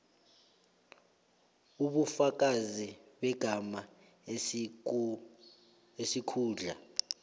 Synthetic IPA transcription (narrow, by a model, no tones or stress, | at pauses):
uɓufak̬ʼaziɓɛɡ̥ʱama | esikʰuːɮa